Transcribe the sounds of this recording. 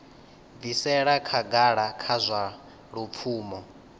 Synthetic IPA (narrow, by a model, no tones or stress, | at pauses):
b̪visɛɺakʰaɡaɺakʰazʷa | ɺup̪fʰuːmɔ